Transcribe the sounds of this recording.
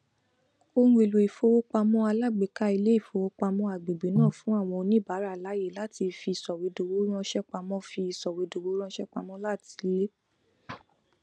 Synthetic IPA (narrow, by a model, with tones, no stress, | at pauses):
o˧nũ˧e˨lo˨i˨fo˧wo˦k͡pa˧mɔ̃˦a˧la˦˨ɡ͡be˨ka˧˦i˧le˦i˦˨fo˧wo˧k͡pa˧mɔ̃˧a˨ɡ͡be˨ɡ͡be˨˦nãː˦˨fũ˨˦a˦˨w̃ɔ̃˧o˧nĩ˦˨ba˨˦ɾa˦˨la˨˦je˦˨la˨˦ti˧fi˧˨sɔ˨we˨˧˦do˧wo˨˦ɾ̃ã˦ʃɛ˦k͡pa˧mɔ̃˧˦fi˧i˨sɔ˨we˨˧˦do˨˧wo˦ɾ̃ã˦ʃɛ˦k͡pa˧mɔ̃˦la˦˨ti̥˨˧˦le˦